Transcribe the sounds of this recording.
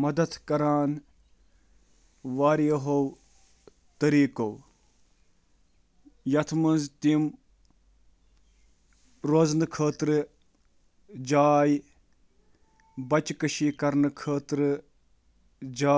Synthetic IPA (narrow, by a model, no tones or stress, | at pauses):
mɐd̪ɐt̪kɐɾaːn | ʋaːɾjɐɦow | t̪ɐɾiːkow | jɐt̪ʰmɐnzt̪im | ɾoznɨkʰəːt̪ɾɨ | d͡ʒaːj | bɐt͡ʃkəʃiːkɐɾnɨkʰəːt̪ɾɨ | d͡ʒaː